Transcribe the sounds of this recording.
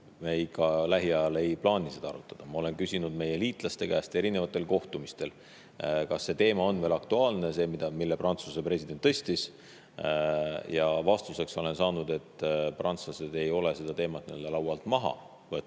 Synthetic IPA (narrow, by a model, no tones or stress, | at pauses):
meikːɑlæɦiɑjɑle̞jplɑːnʲised̪̥ɑɑ̰ɾut̪ːˑɑd̪̥ɑmɑo̞le̞nkysʲinud̪me̞je̞liːt̪ˑlɑst̪e̞kæːst̪e̞ɾine̞vɑt̪ːˑe̞lko̞ht̪umist̪e̞l | kɑsːe̞t̪e̞ːmɑo̞nve̞ːlɑkt̪uɑːlne̞se̞ːmid̪̥ɑmilːeprɑnt̪susepre̞sʲid̪̥e̞nt̪ːɤ̞sʲt̪is | jɑvɑst̪use̞kso̞le̞nsɑːnud̪̥e̞t̪ːˑprɑnt̪slɑse̞d̪e̞jo̞le̞se̞d̪̥ɑt̪e̞ːmɑt̪̚niø̞ld̪̥elɑwɑlt̪mɑɦɑ̰ | vɤt̪ːˑ